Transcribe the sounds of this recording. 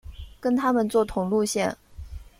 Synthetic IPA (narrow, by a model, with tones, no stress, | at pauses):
kə˥nt̪ʰa˥mə˨nt͡swɔ˥˩t̪ʰʊ˨˩ŋlu˥˧ɕjɛ˥˩n